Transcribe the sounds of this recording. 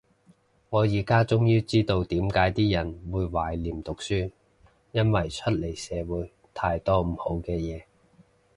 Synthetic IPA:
ŋɔː˨˧jiː˨˩kaː˥t͡sʊ˥ŋjiː˥t͡siː˥t̪o˧wt̪iː˨˥mkaː˨˥jt̪iː˥jɐ˨˩nwuː˨˧jwaː˨˩jliː˨˩mt̪ʊ˨k̚syː˥ | jɐ˥nwɐ˨jt͡ʃʰɵ˥t̚le˨˩jsɛː˨˧wuː˨˥j | t̪ʰaː˧jt̪ɔː˥m̩˨˩ho˨˥wkɛː˧jɛː˨˧

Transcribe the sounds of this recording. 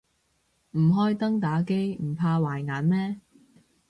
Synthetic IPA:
m̩˨˩ɦɔː˥jt̪ɐ˥ŋt̪aː˨˥ke˥jm̩˨˩pʰaː˧waː˨˩jŋaː˨˥nmɛː˥

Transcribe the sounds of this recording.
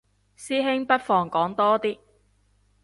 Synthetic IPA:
siː˥ɦɪ˥ŋpɐ˥t̚fɔː˧ŋkɔː˨˥ŋt̪ɔː˥t̪iː˥

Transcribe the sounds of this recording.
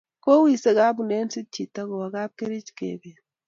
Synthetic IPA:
ko˦wi˦˨se˦ɡa˦bu˨ne˦nsi˦t͡ʃi˨ta˦ɡo˨a˨ɡa˦p̚ke˦ɾi˦t͡ʃkḛ˨be˨

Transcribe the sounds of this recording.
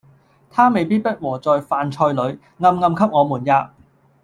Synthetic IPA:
t̪ʰaː˥me˨jpiː˥t̚pɐ˥t̚wɔː˨˩t͡sɔː˨jfaː˨nt͡ʃʰɔː˧jlɵ˨˧ɥ | ŋɐ˧mŋɐ˧mkʰɐ˥p̚ŋɔː˨˧muː˨˩njaː˧

